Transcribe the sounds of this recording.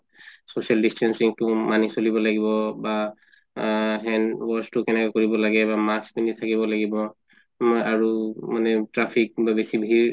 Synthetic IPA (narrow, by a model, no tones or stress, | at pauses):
sosialdistʰansiŋtʊmanisolibɔlaɡibɔba | ɦɛnwɔstʊkɛnɛkɛkoɹibɔlaɡɛbamaspinitʰakibɔlaɡibɔ | mojʔaɹumanɛtɹapʰik̚babesibʱiɹ